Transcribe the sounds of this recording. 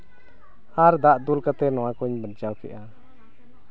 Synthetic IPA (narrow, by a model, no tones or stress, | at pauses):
aɾd̪aʔd̪ulkat̪ɛnɔwakuɲbənt͡ʃawkɛ̰ʔa